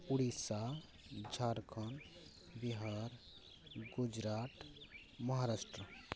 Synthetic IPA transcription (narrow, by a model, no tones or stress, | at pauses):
uɽisa | d͡ʒʱaɾkʰən | biɦaɾ | ɡud͡ʒɾaʈ̪ | məɦaɾaʃʈɾə